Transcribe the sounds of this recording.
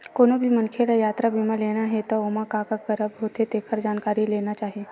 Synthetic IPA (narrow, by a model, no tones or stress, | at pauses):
koːnobʱimɐnkʰelajaːt̪ɾabʱimãleːnaɦɛt̪ooːmakakakɐɾəbɦoːt̪ʰet̪eːkʰəɾd͡ʒaːnkaːɾileːnat͡ʃaːɦie